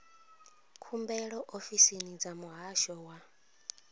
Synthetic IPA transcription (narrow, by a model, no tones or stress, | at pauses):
kʰumbɛɺɔʔofisinid͡zamuɦaʃɔwa